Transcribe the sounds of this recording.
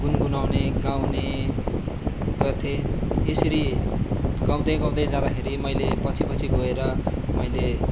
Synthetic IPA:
ɡunɡunawneɡawne | ɡʌrt̪ʰeesʌɾi | ɡ̥aw̃d̪ʌjɡaw̃d̪ʌjd͡zãd̪akʰeɾimʌjlepʌt͡sʰipʌt͡sʰiɡoeɾʌmʌjle

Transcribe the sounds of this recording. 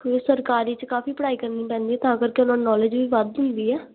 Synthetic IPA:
kːsəɾkaːɾiːt͡ʃkaːfiːpəɽaːiːkəɾniːpɛ̃ːnd̪iːɛːt̪ãːəɡəɾkeʊnãːnɔːled͡ʒʋiːʋəd̪ʊ̃nd̪iːɛː

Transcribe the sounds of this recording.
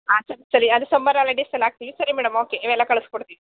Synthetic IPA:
aːsɐɾisɐɾiɐd̪usɐmbɐɾalɐɖesɐlːaːɡ̚t̪iʋisɐɾimɛːɽɐmoːkeiʋɛlːɐkɐɭɨskoɽt̪iʋi

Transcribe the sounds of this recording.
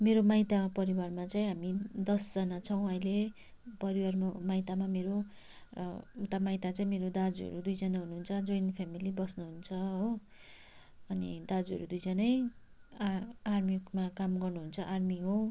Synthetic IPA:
meɾomajt̪apʌɾiwarmat͡saĩɦamid̪ʌsd͡zʌnat͡sʰʌw̃ʌjle | pʌɾiwarmamaijt̪amameɾo | t̪amajt̪at͡sãĩmeɾod̪ad͡zʌ̰ɾud̪ujd͡zʌnaɦunuɦunt͡sʰʌd͡zʌjnpʰamilibʌsnuɦunt͡sʰʌɦo | ʌnḭd̪ad͡zʌ̰ɾud̪ujd͡zʌnʌj | armikmakamɡʌrnuɦunt͡sʰʌʔarmiɦo

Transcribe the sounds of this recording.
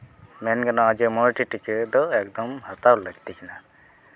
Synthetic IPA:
mɛnɡanaad͡ʒemɔlʈiʈiked̪ɔɛk̚d̪ɔmhat̪awləɡt̪ikʰina

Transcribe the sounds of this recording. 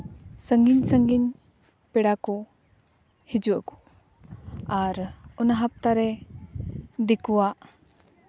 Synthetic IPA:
səŋɡiɲsəŋɡiɲ | pɛɽakɔ | hid͡ʒuwakɔ̥ | aɾɔnaɦap̚t̪aɾɛ | d̪ikuwaʔ

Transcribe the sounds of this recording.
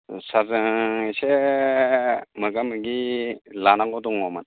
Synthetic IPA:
sazɯŋse | mɯɡamɯɡilanaɡɔduŋɔman

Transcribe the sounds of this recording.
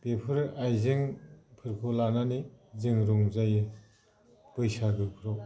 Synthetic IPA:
bepʰɯɾajzɯŋpʰɯɾkʰulananizɯŋɾuŋzajɯ | b̥ɯjsaɡɯpʰɯɾɔw

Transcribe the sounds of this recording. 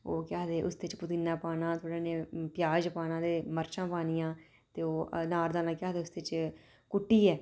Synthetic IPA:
oːkɪaːd̪eːʔʊsd̪eɪt͡ʃpʊt̪inːaːpaːnãːt̪ʰoːɽeːnẽːpjaːd͡ʒpaːnãːd̪eːməɾt͡ʃãːpaːnijãː | t̪eːoːnaːɾd̪aːnãːkjaːd̪eːʊsd̪eːt͡ʃ | kʊʈːiːɛː

